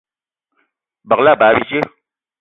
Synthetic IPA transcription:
bɐ˨la˦˨baː˨˦bi˦t͡ʃe˦

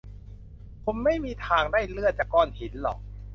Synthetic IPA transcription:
kʰo˧mːa˥˩jmiː˧t̪ʰaː˧ŋdaː˥˩jlɯ˥˩ət̪̚t͡ɕaː˨˩kːɔː˧˩nhi˩˦nlɔ̰˨˩k̚

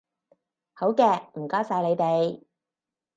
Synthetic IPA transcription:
ho˨˥wkɛː˧m̩˨˩kaː˥wsaː˧jle˨˧jt̪e˨˧j

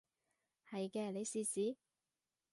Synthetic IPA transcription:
hɐ˨jkɛː˧nle˨˧jsiː˨˧siː˨˥

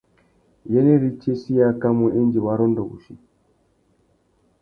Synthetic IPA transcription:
jɛ˦ne˦ɾi˦t͡ʃe˦si˦ja˦ka˦mu˨ʔi˦nd͡ʒi˨wa˦ɾɔ˦ndɔ˨βṵ˨ʃi˦˨

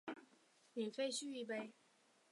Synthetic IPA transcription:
ny˨˩fe˥ɪɕy˥˧y˥˧p̬e˥ɪ

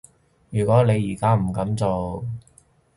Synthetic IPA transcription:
jyː˨˩kʷɔː˨˥ne˨˧jːiː˨˩kaː˥m̩˨˩kɐ˨˥mt͡so˨w

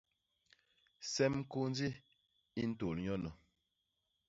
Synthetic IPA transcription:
sɛ˦m̩˦ko˦n˦d͡zi˦ | i˦n̩˦to˨lɲɔ˦nə˨

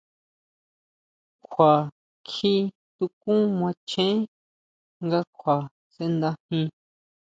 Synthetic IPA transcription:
kʷʰa˨ | kʰi˧ | t̪u˧kũ˦mʷã˧t͡ʃẽ˦ | ŋɡa˦kʷʰwa˨ | se˧nd̪ã˦hĩ˧

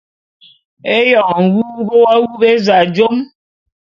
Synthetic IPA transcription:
e˦jɔ˨ŋŋ̩˨wu˦bo˦wa˦wu˦be˦za˨d͡ʒo˦m

